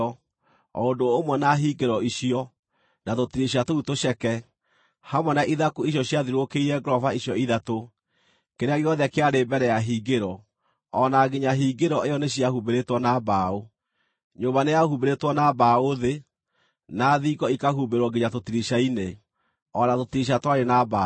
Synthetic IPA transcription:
ondoːmwɛnaɦiɡeɾɔiɕiɔ | natotiɾiɕ̬atoutoɕɛkɛ | hamwɔnaʔiðakuiɕ̬jɔɕjaðiɾokeiɾɛɡɾɔvaiɕjɔiðato | kkeɾeaɣeɔðɛkeaɾebɛɾɛjaɦiːɡeɾɔ | ɔnaɡeɲaɦiːɡeɾɔejɔneɕjahubeɾetwɔnabao | ɲoβanejahubeɾetwɔnabaoðe | naðiɡɔikahubeɾwɔɡeɲatotiɾiɕaine | ɔnatotiɾiɕ̬atwaɾenaba

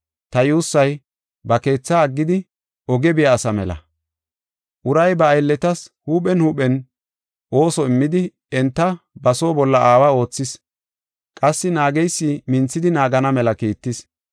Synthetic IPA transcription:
t̪ɐjuːsːɐj | bɐke̞ːt͡sːaːɡːɪd̪ɪ | ɔɡɛbɪjaːsɐmɛlɐ̰ | ʔʊɾɐjbɐːjlːɛt̪ɐshuːpɛnhuːpɛn | ʔo̞ːsɔɪmːɪd̪ɪ | ɛnt̪ːɐbɐso̞ːbɔlːɐʔaːwɐo̞ːt͡sːɪs | kʼɐsːɪnaːɡɛjsːɪmɪnt͡sːɪd̪ɪnaːɡɐnɐmɛlɐkiːt̪ːɪs

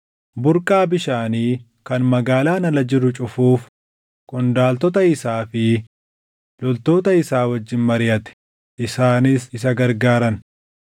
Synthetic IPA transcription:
bʊɾkʼaːbɪʃaːniː | kɐnmɐɡaːlaːnɐlɐd͡ʒɪɾʊt͡ʃʼʊfuːf | kʼʊnd̪aːlt̪ɔt̪̬ɐɪsaːfɪ | lɔlt̪o̞ːt̪ɐɪsaːwɐd͡ʒːɪnmɐɾɪjɐt̪ɛ̥ | ʔɪsaːnɪsɪs̬ɐɡɐɾɡaːɾɐn

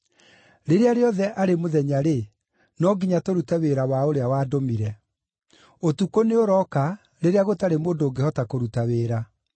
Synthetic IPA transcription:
ɾeɾeaɾeɔðɛʔaɾemoðɛɲaɾe | nɔɡiɲatoɾutɛweɾawaoɾeawaːdomiɾɛ | otukoneoɾɔka | ɾeɾeaɣotaɾemoːndoːɡehɔtakoɾutaweːɾa

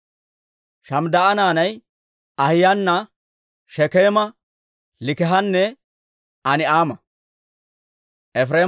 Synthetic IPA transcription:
ʃɐmd̪ɐʔɐnaːnɐj | ɐhɪjɐnːɐ | ʃɛkeːmɐ | lɪkɛɦɐnːɛ | ɐnɪaːmɐ | ʔɛfɾeː

